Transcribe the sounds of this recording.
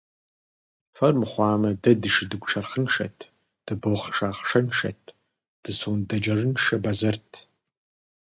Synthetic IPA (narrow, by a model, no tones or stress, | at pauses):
fɐrmχʷɑːmɐdɐdɨʂdɨɡʷʈ͡ʂʰɐrχənʂɐ̰tʰ | d̥ɨboχʂaːχʂɐnʂɐ̰t̚ʰ | d̥ɨsundɐd͡ʒɐrɨnʂɐbazɐrtʰ